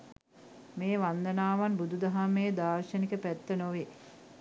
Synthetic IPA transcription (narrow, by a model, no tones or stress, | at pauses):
meːʋand̪ənaːʋanbud̪ud̪ɐɦamejːd̪aːɾʃənikəpæt̪ːənoʋe